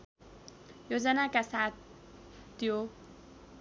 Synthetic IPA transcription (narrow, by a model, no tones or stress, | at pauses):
jozɛnakasa | t̪io